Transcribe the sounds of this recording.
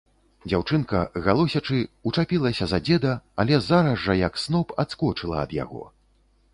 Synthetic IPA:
d͡zʲawt͡ʂɨnkɐɣalˠɔsʲɐt͡ʂɨut͡ʂapʲilˠɐsʲɐzad͡zʲɛd̪ɐːlʲɛzaɾɐzːɐjɐksnɔpat̪skɔt͡ʂɨlˠɐ̰ɐ̰d̪ja̰ɣɔ̰

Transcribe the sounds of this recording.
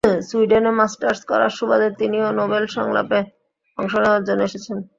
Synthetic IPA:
swuiɖenemasʈaɾskɔ̰ɾa̰ʃubad̪eɾt̪inionobelʃɔ̰ŋla̰pe | ɔŋʃonaaɾd͡ʑoneʃet͡ɕʰen

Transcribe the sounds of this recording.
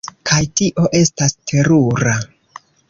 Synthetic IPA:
kʰajtiʔo̞ʔe̞stastʰe̞ɾuɾa

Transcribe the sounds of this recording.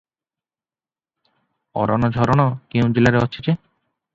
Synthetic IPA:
ɔ̰ɾa̰nɔd͡ʒʱɔɾɔɽ̃ɔkew̃d͡ʑelaɾeɔt͡ʃʰit͡ɕe

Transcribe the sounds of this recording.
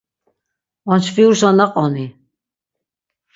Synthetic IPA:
ɔnt͡ʃfiuɾsɔnaqʼɔni

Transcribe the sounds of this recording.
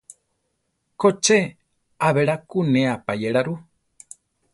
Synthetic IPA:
kot͡ʃe | aβeɾakunẽapajeɾaɾu

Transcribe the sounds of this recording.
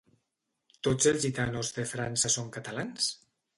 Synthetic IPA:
t̪od͡zelˠzʒit̪anozðəfɾansəsoŋkət̪alans

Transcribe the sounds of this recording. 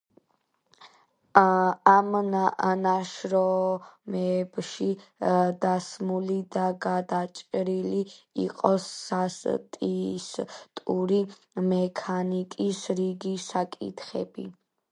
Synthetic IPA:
amnaʃɾɔmɛbʃid̪asmulid̪aɡad̪at͡ʃʼɾiliḭqʼɔsːast̪ʼist̪ʼuɾi | mɛkʰanikʼisɾiɡisakʼḭt̪ʰχɛ̰bi

